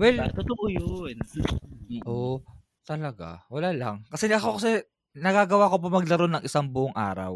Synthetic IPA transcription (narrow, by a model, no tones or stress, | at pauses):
wɛlt̪ot̪oʔojon | ʔo | t̪ɐlɐɡa̰wɐlaːlɐŋkɐsɛʔɐko̞kɐsɛ | nɐɡaːɡɐwaːko̞p̬omɐɡ̚lɐɾo̞nɐŋʔɪsaŋbʊʔoŋʔaːɾɐ̰w